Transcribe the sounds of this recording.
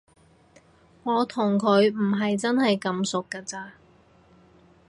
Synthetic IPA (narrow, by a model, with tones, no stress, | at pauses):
ŋɔː˨˧t̪ʰʊ˨˩ŋkʰɵ˨˧ɥm̩˨˩ɦɐ˨jt͡sɐ˥nhɐ˨jkɐ˨˥msʊ˨kːaː˧t͡saː˧